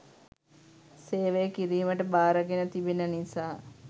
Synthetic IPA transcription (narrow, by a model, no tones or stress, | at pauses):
seːʋejəkiɾiːməʈəbaːɾəɡenət̪ibenənisaː